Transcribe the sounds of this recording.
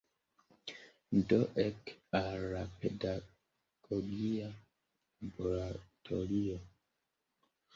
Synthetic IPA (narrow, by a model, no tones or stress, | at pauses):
ndɔʔɛkaɾapeda | ɡ̥oɡia | boɾatʰoɾio